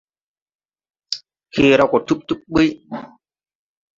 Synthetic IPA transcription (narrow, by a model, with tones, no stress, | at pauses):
xi˧ɾa˧wkɔ˨˩t̪ʰu˦˥p̚t̪u˦˥p̚ɓi˦